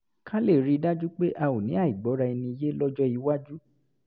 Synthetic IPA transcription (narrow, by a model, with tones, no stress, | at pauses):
kʰã˦le˦˨ɾi˦˧da˦d͡ʒu˦k͡pe˦ʔa˧wo˨nĩ˨˦a˦˨i˨ɡ͡bɔ˨˦ɾa˧i˧nĩ˧i˧je˦lɔ˦d͡ʒɔ˦i˧wa˦d͡ʒu˦